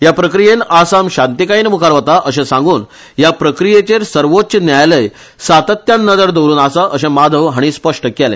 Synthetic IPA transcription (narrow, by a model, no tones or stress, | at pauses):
ɦjapɾəkɾijenasamɕant̪ikajiːnmukʰaɾʋət̪aʔəɕẽsãŋɡuːn | japɾəkɾijet͡ɕeɾsəɾʋot̪t͡ɕənjajləj | sat̪ət̪jãnːəd͡zəɾd̪oɾuːnasaʔəɕẽmad̪ʱəʋɦaɽ̃ispəʂʈəkɛlḛ̃